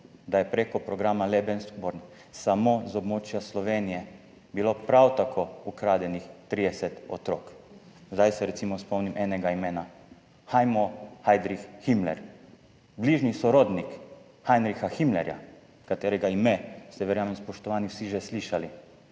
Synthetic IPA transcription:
d̪ajɛpɾeːkɔpɾɔɡɾaːmalɛbɛnskbɔɾn | samozɔbmoːt͡ʃjaslɔʋeːnijɛ | bilopɾawt̪akʰoukɾaːd̪jɛnixt̪ɾiːd̪ɛsɛt̪ɔt̪ɾoːk | zd̪ajsɛɾɛt̪simɔspɔmnimʔɛːnɛɡaimeːna | xajmɔhajd̪ɾixximlɛ̰ɾ | bliʒnisɔɾod̪nik | xajnɾixaximlɛɾja̰ | kat̪eːɾɛɡaimɛsɛʋɛɾjaːmɛmspɔʃt̪ɔʋaːniwsiʒɛsliʃali

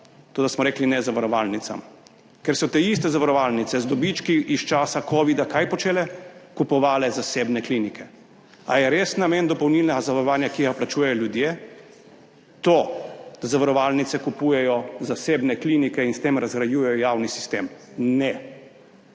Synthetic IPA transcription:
t̪oːd̪asmɔɾeːklinɛzaʋaɾɔʋaːlnit̪sa̰m | kɛɾsɔt̪eist̪ɛzaʋaɾɔʋaːlnit̪sɛzd̪ɔbit͡ʃkiʔist͡ʃaːsakʰoːʋid̪akajpɔt͡ʃeːlɛkupɔʋaːlɛzaseːbnɛklinikʰɛ | a̰jɛɾesnameːnd̪ɔpɔwnilnɛɡazaʋaɾɔʋaːnjakiɡaplat͡ʃuːjɛjɔljud̪jeː | t̪od̪̥azaʋaɾɔʋalnit̪sɛkupuːjɛjɔzaseːbnɛklinikɛinst̪eːmɾazɡɾajuːjɛjɔjawnisi̥st̪eːm | nɛ

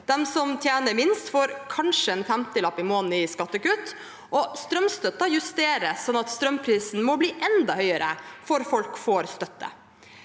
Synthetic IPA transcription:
d̪̥ɛmsɔmt̪ʰjæːnəɾmɪnst̪foːɾkʰɑnʂəɛnfæmt̪əlɑpːɪmoːnnəɪskɑt̪ːəkʉt̪ | ʔɔst̪ɾœmst̪œt̪ːɑjʉst̪eːɾəssɔnːɑt̪st̪ɾœmpʰɾiːsn̩mɔbliːʔɛnd̪ɑhœʏəɾə̰fɔɾfɔlkfoːɾst̪œt̪ːə̰

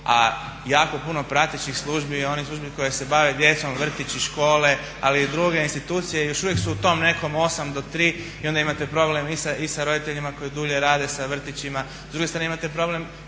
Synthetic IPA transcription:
a̰ | jaːko̞puno̞pɾat̪it͡ʃixslˠuːʒbio̞nixslˠuʒbiko̞jese̞baʋed̪je̞t̪so̞mʋr̩t̪it͡ɕiʃko̞ːle̞ | aliːd̪ɾuɡe̞inst̪it̪uːt̪sijejo̞ʃuʋjeksuut̪o̞mne̞ko̞mo̞samd̪o̞t̪ɾiː | io̞nd̪aimat̪e̞pɾo̞blemisaʔisaɾo̞d̪it̪e̞ʎimako̞jid̪uːʎe̞ɾaːd̪e̞saʋr̩t̪it͡ɕima | zd̪ɾuɡet̪ɾaneimat̪epɾo̞ble̞m

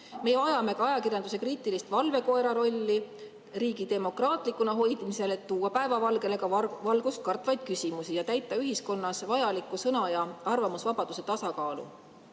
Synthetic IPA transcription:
me̞jɑjɑme̞kɑɑjɑkirjɑnd̪use̞kriːt̪ːˑilist̪vɑlve̞ko̞eɾɑɾo̞lʲːi | riːɡ̥id̪e̞mo̞krɑːt̪ˑlikːˑunɑɦo̞jd̪̥mise̞le̞t̪ːuːwɑpæe̞vɑvɑlɡe̞le̞kɑvɑlɡ̥ust̪̚kɑrt̪ːˑvɑjd̪̥̚kysʲimusijɑt̪æjt̪ːˑɑyɦisko̞nːɑsvɑjɑlikːˑusɤnɑjɑɑrvɑmusvɑb̥ɑd̪̥use̞t̪ɑsɑkɑːlṵ

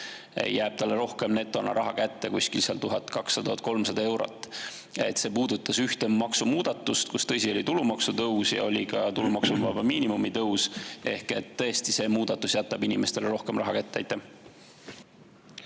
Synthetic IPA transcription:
jæːb̥̚t̪ɑlːeɾo̞hke̞mne̞t̪ːˑo̞nɑ̰ɾʔɑɦɑkæt̪ːe̞kuskilseɑ̰lt̪uɦɑt̪kɑksːɑd̪uhɑt̪̚ˑko̞lmsɑd̪ɑe̞wɾo̞̰t̪ːˑ | e̞̰t̪ːˑse̞ːpuːd̪ut̪ːˑɑsyht̪eːɑksumuːd̪̥ɑt̪ːˑust̪kust̪ɤ̞sʲio̞lit̪ulumɑksut̪ɤwsjɑ̰o̞lʲikɑt̪ulumɑksumvɑbɑmiːnimumit̪ɤwse̞hke̞t̪ːɤ̞est̪ise̞ːmuːd̪̥ɑt̪ːˑusjæt̪ːˑɑb̥inime̞st̪e̞lɾo̞hke̞mrɑɦɑkæt̪ːḛjt̪ːe

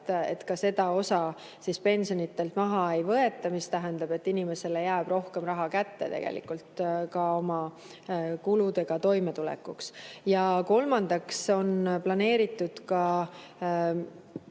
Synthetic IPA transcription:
t̪e̞̰t̪kɑse̞d̪ɑo̞sɑ | sispe̞nʲsio̞nit̪ːˑe̞lt̪mɑɦɑe̞jvɤe̞t̪ːˑɑmist̪æɦend̪̥ɑb̥e̞t̪ːinime̞se̞lejæːb̥ro̞hke̞mrɑɦɑkæt̪ːe̞̰t̪e̞ɡ̥ḛlḭkːˑult̪kɑo̞mɑ | kulud̪e̞ɡ̥ɑt̪o̞jme̞t̪ulḛkːuksjɑko̞lmɑnd̪̥ɑkso̞nplɑne̞ːɾit̪ːˑud̪̥kɑ

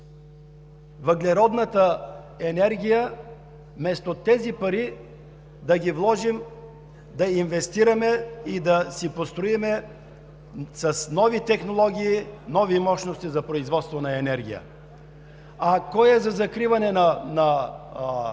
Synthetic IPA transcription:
vɐɡlɛɾɔd̪nɐt̪ə | ɛnɛɾɡʲijə | mɛst̪ot̪ɛzipɐɾi | d̪ɐɡivlˠɔʒim | d̪ɐinvɛst̪iɾɐmɛid̪ɐsipost̪ɾoimɛ | sɐsnɔvit̪ɛxnolˠɔɡʲiːnɔvimɔʃnost̪izɐpɾoizvɔt̪st̪vonɐɛnɛɾɡ̟ʲḭjə̰ | ɐkɔjɛzɐzɐkɾivɐnɛnɐnɐ

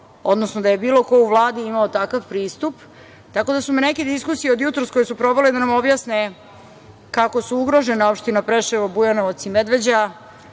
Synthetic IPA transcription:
o̞d̪nosnod̪aje̞biːlˠo̞ko̞uʋlˠaːd̪iimaot̪akaʋpɾiːst̪up | t̪ako̞d̪asumeneke̞d̪iskusijeo̞d̪jut̪ɾosko̞jesupɾo̞ʋe̞led̪anamo̞bjasne | kako̞suuɡɾo̞ʒeneo̞pʃt̪inapɾeʃeʋobujanoʋat̪simed̪ʋe̞d͡ʑa

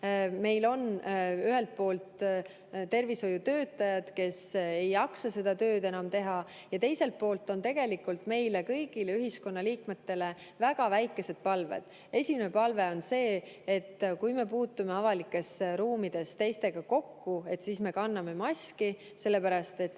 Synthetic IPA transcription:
me̞jlo̞nyɦe̞lt̪̚po̞ːlt̪ | t̪e̞rviso̞jut̪ø̞ːt̪ːˑɑjɑd̪̥ke̞se̞jɑksɑse̞d̪ɑt̪ø̞ːd̪e̞nɑmt̪e̞ɦɑ | jɑt̪e̞jse̞lt̪̚po̞ːlt̪ːˑo̞nt̪e̞ɡ̥e̞likult̪me̞jlekɤjɡ̥ileyɦisko̞nːɑliːkme̞t̪ːe̞le̞ | væɡ̥ɑvæjkːˑe̞se̞d̪̥̚pɑlvḛd̪̥ | e̞sʲimenepɑlve̞o̞nse̞ː | t̪ːkujme̞puːt̪ːˑume̞ɑvɑlikːˑe̞sɾuːmid̪̥e̞st̪e̞jst̪e̞ɡ̥ɑko̞kːue̞t̪sisme̞kɑnːɑme̞mɑsʲki | se̞lːe̞pæɾɑst̪e̞t̪

